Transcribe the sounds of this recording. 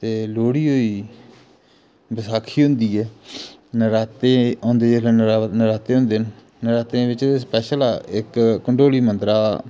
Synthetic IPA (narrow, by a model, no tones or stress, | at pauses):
t̪eːloːɽiːɦoːiː | bəsaːkʰiːɦʊ̃nd̪iːɛːnəɾaːt̪eõːnd̪eːelanəɾaːt̪eːɦʊ̃ːnd̪eːn | nəɾaːt̪ẽːʋɪt͡ʃːspɛːʃəlaːɪkːəɳɖoːliːmənt̪ɾaː